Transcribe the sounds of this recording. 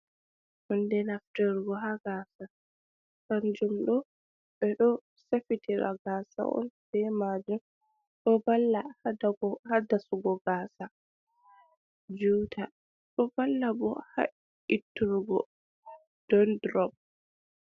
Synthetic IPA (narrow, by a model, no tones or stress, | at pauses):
mɔndɛnaftɛɾɡɔɦaɡaːsa | kand͡ʒumɗɔ | ɓɛɗɔ | safitʰiɾa̰ɡaːsa̰ʔɔ̰nd̥ɛmad͡ʒum | ɗɔbalːahadaɡɔhadasuɡɔɡaːsa | d͡ʒuːtʰa | ɗɔbalːabɔ̰ha̰ | itːuɾɡɔ | d̥ɔndɾɔb̚